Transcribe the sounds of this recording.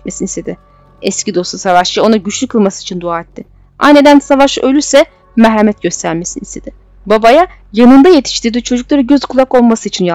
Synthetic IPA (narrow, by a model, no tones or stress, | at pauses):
mesinist̪ʰed̪ɪ | ɛscid̪o̞st̪ˠusavaʃjao̞naɟyt͡ʃlʲykʰɯlˠmasɯit͡ʃʰind̪uaːɛt̪ʰːɪ | a̰jned̪ænsavaʃø̞lʲysɛ | mɛɦɾemɛt̪̚ɟøst̪ʰæɾme̞sinist̪ʰed̪̥ɪ | babaja | janɯnd̪aje̞t̪ʰi̥ʃt̪ʰiɾd̪it͡ʃʰo̞d͡ʒuklˠaɾɯɟøzkʰulˠako̞lˠmasɯit͡ʃʰinja